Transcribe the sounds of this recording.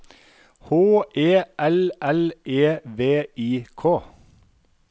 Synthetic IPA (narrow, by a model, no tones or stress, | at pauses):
hoːeːʔɛlʔɛleːʋeːiːkʰoː